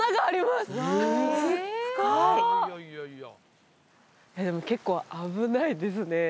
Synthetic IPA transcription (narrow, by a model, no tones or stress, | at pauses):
aɡaːɾʲimasɨsɨɡoi | jad̪e̞moke̞kːo̞ːabɯ̟naid̪e̞sɨne̞